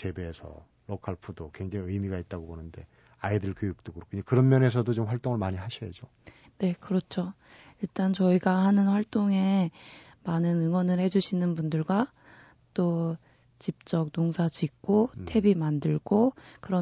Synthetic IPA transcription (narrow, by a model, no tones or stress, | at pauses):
t͡ɕe̞beːsʰʌ̰ | ɾokʰaɭpʰudokwe̞ŋd͡ʑaŋiɯjmiɡait̚t͈aɡobonɯnde̞ | aidɯɭkjojuk̚t͈okɯɾkʰuɲakɯɾʌnmjʌne̞s̬ʰʌdot͡ɕomɸwaɭt͈oŋɯɭmaɲiɦaɕʰʌjed͡ʑo | ne̞kɯɾʌt͡ɕʰo | iɭt͈ant͡ɕʌiɡahanɯnɸwaɭt͈oŋe̞ | manɯnɯŋwʌnɯɭhe̞d͡ʑuɕʰinɯnbundɯɭɡwa | t͈o | t͡ɕip̚t͡ɕ͈ʌk̚noŋsʰat͡ɕik̚k͈otʰe̞bimandɯɭɡokɯɾʌ